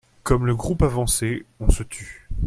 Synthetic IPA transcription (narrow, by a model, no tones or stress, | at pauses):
kɔmləɡʁupavɑ̃seɔ̃sət̪ʰy